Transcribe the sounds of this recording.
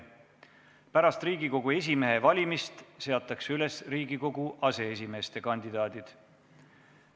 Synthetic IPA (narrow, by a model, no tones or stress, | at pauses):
pæɾɑst̪riːɡiko̞ɡ̥ue̞s̬ʲime̞ɦe̞vɑlʲimist̪se̞ɑt̪ːˑɑksyle̞sriːɡ̥iko̞ɡuʔɑse̞es̬ʲime̞ːst̪e̞kɑnʲd̪̥id̪̥ɑːd̪̥id̪̥